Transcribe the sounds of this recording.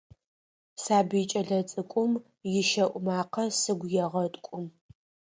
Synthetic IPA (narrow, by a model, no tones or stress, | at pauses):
saːbɨjt͡ʃʼɐɮɐt͡sʼɨkʷʼʊm | jɪʃɐʔʷʼʊmaːqɐsɨɡʷjɛʁɐtʼkʷʼʊm